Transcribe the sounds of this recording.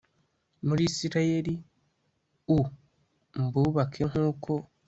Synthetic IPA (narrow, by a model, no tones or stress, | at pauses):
muɾisiɾaje̞ɾi | u | mbuβakʰeŋ̥uːkʰo̞